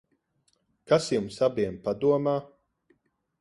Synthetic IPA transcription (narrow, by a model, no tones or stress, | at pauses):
kasjumsabiɛmpad̪uɔmaː